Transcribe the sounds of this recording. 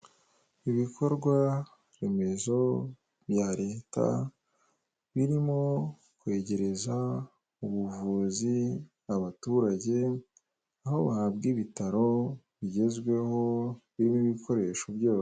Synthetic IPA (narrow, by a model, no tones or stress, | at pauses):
iβikʰo̞ɾɡwa | ɾe̞me̞zo̞ | βjaɾe̞ːta̰ | βiɾim̞o̞ | kwe̞ːɟe̞ɾe̞za | uβuvuːzi | aβatuːɾaɟe̞ | aho̞βahabɡiβitaɾo̞ | βiɟe̞zɡwe̞ho̞βiɾimiβikʰo̞ɾe̞ːʃo̞bɟoː